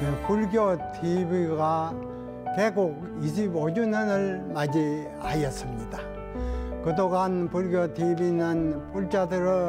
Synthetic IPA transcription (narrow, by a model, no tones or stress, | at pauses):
ɯpuɭɡjotʰibiɡa | keɡok̚ | iɕʰibod͡ʑunɯnɯɭmad͡ʑi | ajʌs͈ɯmɲida | kɯdoɡanpuɭɡjʌt̪ibinɯnpuɭt͡ɕ͈adɯɾɯ